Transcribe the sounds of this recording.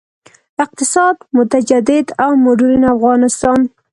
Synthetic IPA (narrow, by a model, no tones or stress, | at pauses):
ɪq̚t̪ɪsɑd̪mʊt̪ad͡ʒad̪ɪd̪awmʊɖuɾinafɣɑnɪst̪ɑn